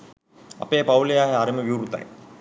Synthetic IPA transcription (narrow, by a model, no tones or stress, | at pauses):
ɐ̰peːpawlijaːɦeaɾiməʋiuɾut̪a̰j